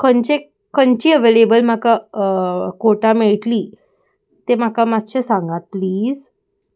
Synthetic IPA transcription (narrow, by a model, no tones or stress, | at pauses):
kʰənt͡ɕe | kəɲt͡ɕiːəʋelebəlm̤aka | koʈameɭʈliː | t̪em̤akamat̪ɕesãŋɡat̪̚pliːz